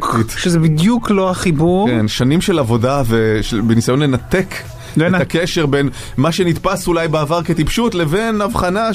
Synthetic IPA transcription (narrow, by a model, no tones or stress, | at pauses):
it̪ʃezebid̪jukloaχibuʁkenʃanimʃe̞lavo̞daveʃebenisajo̞nle̞nat̪e̞k | let̪akeʃe̞ʁben | maʃe̞nit̪pasulajbeːvaʁke̞t̪ipʃutle̞ve̞navχana